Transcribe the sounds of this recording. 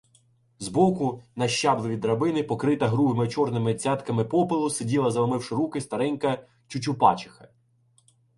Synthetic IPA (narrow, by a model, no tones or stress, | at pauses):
zbɔkʊnɐʃt͡ʃɑblˠɪʋʲid̪ɾɐbɪnɪpɔkɾɪt̪ɐɦɾubɪmɪt͡ʃɔrnɪmɪt͡sʲɑt̪kɐmɪpɔpɪlˠʊsedʲilˠɐzɐlˠɐmɪwʃɪɾukɪst̪ɐɾɛnʲkɐ | t͡ʃʊt͡ʃʲʊpɑ̰t͡ʃɪ̥xɐ